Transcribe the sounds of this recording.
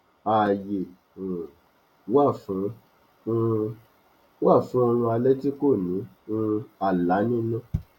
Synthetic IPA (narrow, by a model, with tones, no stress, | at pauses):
a˨jẽ˨ | wa˦˨fũ˨˦˧ | wa˦˨fũ˨˦o˧ɾ̃ũ˧a˧lɛ˦ti˦ko˦˨nĩ˨˦ | ũ˧a˨la˨˦nĩ˦nũ˦˨